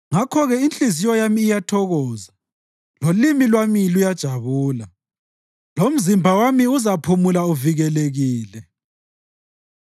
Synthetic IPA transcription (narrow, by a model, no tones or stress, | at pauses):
ŋakʰɔɣɛint͡ɬizijɔjamiːjatʰɔɣɔːza | lolimilwamilujad̥ʒ̥ʱaβuːla | lom̩zimbʱawamiuzapʰumulauviɣɛleɣiːlɛ